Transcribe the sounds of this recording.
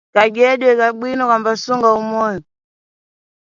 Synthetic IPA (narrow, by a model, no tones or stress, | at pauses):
kaɡɛɗɛkaɓwinɔkambasuŋɡaumɔnɔ